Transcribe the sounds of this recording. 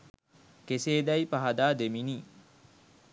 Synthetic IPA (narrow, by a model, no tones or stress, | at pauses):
keseːd̪ɐjpaɦad̪aːd̪eminiː